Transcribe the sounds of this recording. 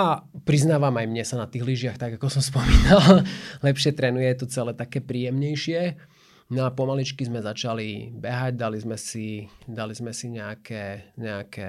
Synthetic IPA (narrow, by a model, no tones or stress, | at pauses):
apɾiznaːʋamajmɲɛsanat̪iːɣliʒɪaxt̪aɡakɔsɔmspɔmiːnallɛpʃɪɛt̪ɾɛnujɛt̪ɔt͡sɛlɛːt̪akɛːpɾiːjɛmɲɛjʃɪɛ | nɔapɔmalit͡ʃkizmɛzat͡ʃalibɛɦaɟd̪alizmɛsid̪alizmɛsiɲɛakʰɛːɲɛakɛ